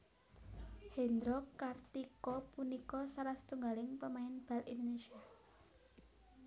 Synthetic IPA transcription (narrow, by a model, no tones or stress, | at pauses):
hend̪ɾɔkart̪ikɔpunikɔsaɾasə̥t̪uŋɡalɪŋpəmaɪnb̥a̤lind̪onesia